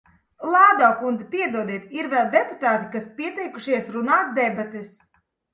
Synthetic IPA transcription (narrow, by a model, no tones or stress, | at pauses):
lˠaːd̪ɔːkund̪zɛpʲiɛd̪uɔd̪iɛt̪iɾvɛlˠd̪ɛpu̥t̪aːt̪ikaspiɛt̪ɛjkuʃiɛsɾunaːt̪̚d̪ɛbat̪ɛs